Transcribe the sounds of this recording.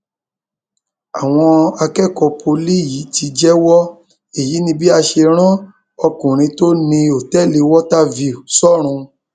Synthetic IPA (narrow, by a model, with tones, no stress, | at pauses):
a˨w̃ɔ̃˧a˧kɛ˦˨kɔ˧pʰo˧li˦˨ji˨˦ti˧d͡ʒɛ˦wɔ˦ | e˨ji˨˦nĩ˧bi˦a˧ʃe˧ɾ̃ã˦ | ɔ˧kũ˨ɾ̃ĩ˧˦to˦nĩ˧o˨tɛ˦˨le˧wɔ˦ta˦vi˨u˨sɔ˦˨ɾ̃ũ˧